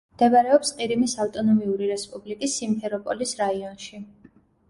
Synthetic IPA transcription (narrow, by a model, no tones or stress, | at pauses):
md̪̥ɛvaɾɛɔpsqʼiɾimisaft̪ʼɔnɔmiuɾiɾɛspʼublikʼisːimfʰɛɾɔpʼɔlisɾaiɔnʃi